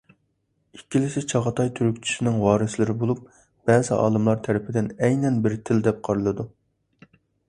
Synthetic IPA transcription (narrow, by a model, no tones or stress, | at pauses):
ikʲʰːilɪsɪt͡ʃʰɑʁɑt̪ʰɑjt̪ʰyɾykʲt͡ʃʰy̥ʃɪnɪŋwɑːɾɨslɪɾɪbolˠup̚ | b̥ɛːzɪʔɑ̰ːlˠɨmlˠɑɾt̪ʰæɾɪpʰɪd̪ɪnɛjnɛnbɪɾt̪ʰɪld̪ɛp̚qʰɑɾɨlˠɨd̪u